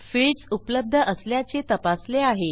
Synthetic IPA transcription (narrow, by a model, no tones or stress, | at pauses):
fiɭɖsupləb̚d̪ʱəʔəsljat͡set̪əpasleaɦe